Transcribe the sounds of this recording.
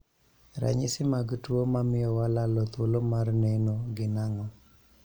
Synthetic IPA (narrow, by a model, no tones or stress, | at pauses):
ɾa̰ɲɪsɪmaɡtuomamɪjɔwalalɔt̪wolomarnɛnoɡɪnaŋɔ